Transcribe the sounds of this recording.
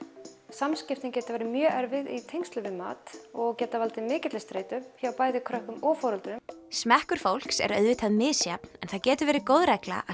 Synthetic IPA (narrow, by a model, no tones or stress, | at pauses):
samscɪft̪ɪncɛːt̪avɛːɾɪmjœːʔɛɾvɪðit̪ʰejŋst̪lʏvɪma̰ːt̪ɔɣcɛːt̪avalt̪ɪmɪːcɪt̪lɪst̪ɾeːjt̪ʏmçawpaːjðɪkʰɾœhkʏmɔɣfɔːɾɔlt̪ʏnsmɛhkʏɾ̥fowl̥ksɛ̰ɾœɥðvɪt̪ʰaðmɪːsjapnɛnθaðcɛːt̪ʏɾvɛːɾɪkoːwðɾɛkla̰ʔa